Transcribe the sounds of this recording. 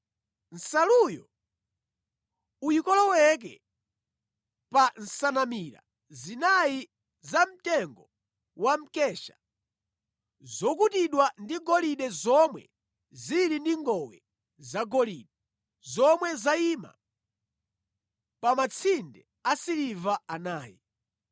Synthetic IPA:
n̩salujɔ̰ | ujikɔlɔwɛk̬ɛ̰ | pan̩sanamiɾa̰ | zinai | zam̩tɛŋɡɔ | wam̩kɛʃḁ̰ | zɔk̬utiɗwandiɡɔliɗɛzɔmwɛ̰ | ziɾindiŋɡɔwɛ | zaɡɔliɗɛ | zɔmwɛzaima̰ | pamat͡sʰindɛ | asiɾivaanaːjḭ

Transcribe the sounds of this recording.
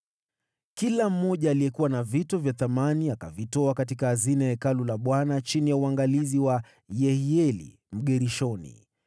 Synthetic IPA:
kilam̩ːɔʄaːliɛkuwanavitɔvjaθamaniakavitɔakatikaːzinaɛkalulaɓwanat͡ʃinijauaŋɡaliziwa | jɛhiɛlḭ | m̩ɠɛɾiʃɔnḭ

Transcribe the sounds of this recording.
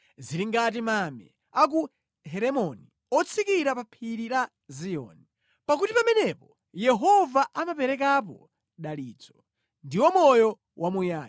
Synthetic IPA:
ziliŋɡat̬imamɛ̰ | ak̬u | ɦɛɾɛmɔni | ɔt͡sʰikiɾapapʰiɾiɾa | zijɔ̰ːni | pakutipamɛnɛpɔ | jɛɦɔvaʔamapɛɾɛk̬ap̬ɔ | ɗaliːt͡sɔ̥ | ndiwɔmɔjɔ | wʔamujaːji

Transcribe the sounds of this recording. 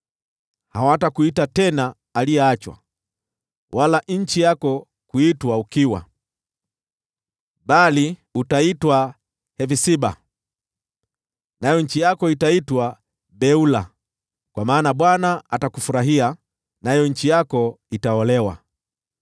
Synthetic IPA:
hawatakuitatɛnaː | lijɛat͡ʃwa̰ | wʔalaɲ̩t͡ʃijakɔ | kuitwaukiwa̰ | ɓaliutaitwa | hɛvisiba | najɔɲ̩t͡ʃijakɔitaitwa | bɛula | kwamaːnaɓwanaatakufuɾaɦia | najɔɲ̩t͡ʃijakɔ | itaɔlɛwa̰

